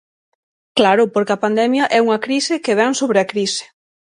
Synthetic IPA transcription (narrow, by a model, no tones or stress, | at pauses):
klaɾʊpoɾkeɐpand̪ɛmjɐʔɛuŋɐkɾisɪkeβɛŋsoβɾɪɐkɾisɪ̥